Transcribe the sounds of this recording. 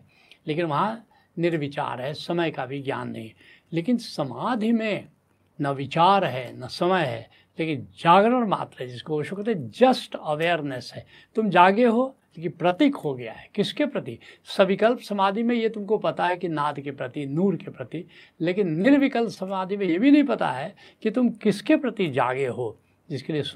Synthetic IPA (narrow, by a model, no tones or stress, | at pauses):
leːkɪnʋɐɦã | nɪɾʋɪt͡ʃa̰ːɾɦɛsɐməjkabʱiɡja̰ːnːɐ̰ɦĩɦɛ | leːkɪnsɐmaːd̪ʱimẽ | nɐʋɪt͡ʃaːɾɦɛnɐsɐməjɦɛ̰ː | leːkɪnd͡ʒaːɡɾəɾma̰ːt̪ɾaɦɛd͡ʒɪskoɦoʃokɾət̪ʰːd͡ʒɐsʈɐʋeːɾnɛsɦɛː | t̪ʊmd͡ʒaːɡeɦo | kipɾɐt̪ikɦoɡɐja̰ɦɛkɪskepɾɐt̪isɐbɪkəlpsɐmaːd̪ʱimẽjet̪ʊmkopɐt̪aɦɛkinaːd̪ʱkepɾɐt̪inuːɾkepɾɐt̪i | leːkɪnːɪɾʋɪkəlpsɐmaːd̪ʱimẽjebʱinɐɦĩpɐt̪a̰ɦɛ | kit̪ʊmkɪskepɾɐt̪id͡ʒa̰ːɡeɦo | d͡ʒɪskelies